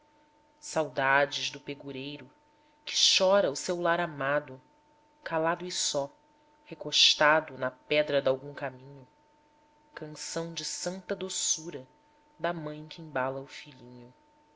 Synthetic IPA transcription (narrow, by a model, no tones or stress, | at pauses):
sawd̪ad͡ʒɪʒd̪ʊpeɡuɾejɾʊ | kɪ̥ʃɔɾɐʊsewlaɾamad̪ʊ | kalad̪ʊisɔ | hekoʃt̪ad̪ʊnɐpɛd̪ɾɐd̪awɡũŋkamĩɲʊ | kɐ̃sɐ̃w̃d͡ʒɪsɐ̃nt̪ɐd̪osuɾɐ | d̪ɐmɐ̃j̃kĩbalɐʊfiʎĩɲʊ